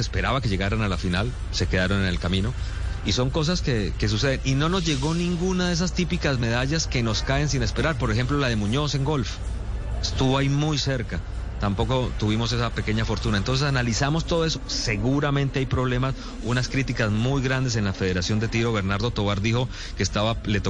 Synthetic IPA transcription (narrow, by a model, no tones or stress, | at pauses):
espe̞ɾaβakeʝe̞ɣaɾanalafinal | se̞ke̞ðaɾo̞nene̞lkamĩno̞ | iso̞ŋko̞s̬askeke̞s̬use̞ð̞e̞nino̞no̞zʝe̞ɣo̞nĩŋɡunaðe̞s̬ast̪ipikazme̞ð̞aʝaske̞no̞skae̞ns̬ine̞spe̞ɾaɾpo̞ɾexe̞mplo̞laðe̞muɲo̞se̞ŋɡo̞lf | e̞st̪uβo̞aimujse̞ɾka | t̪ampo̞ko̞t̪uβimo̞se̞sape̞ke̞ɲafo̞ɾt̪unaent̪o̞ns̬esanalisamo̞st̪o̞ð̞oe̞sose̞ɣuɾamẽ̞nt̪e̞ajpɾo̞βle̞mas | unaskɾit̪ikazmujɣɾand̪e̞s̬e̞nlafe̞ð̞e̞ɾasjo̞nd̪e̞t̪iɾo̞βe̞ɾnaɾðo̞t̪o̞βaɾd̪ixo̞ | keːst̪aβale̞t̪o